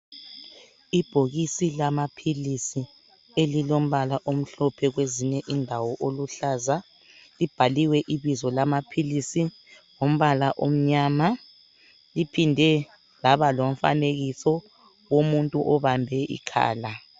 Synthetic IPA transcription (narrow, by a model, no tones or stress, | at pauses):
ib̥ʱoɣisilamapʰilisi | elilom̩βalaʔom̩ɬɔpʰɛɣweziɲɛʔindʱawɔʔoluɬaːza | lib̥ʱaliwɛʔiβizɔlamapʰilisi | ŋom̩βalaʔom̩ɲaːma | lipʰindʱɛ | laβalom̩fa̰neɣisɔ | womuntʼuʔɔβambʱɛʔḭkʰa̰ːla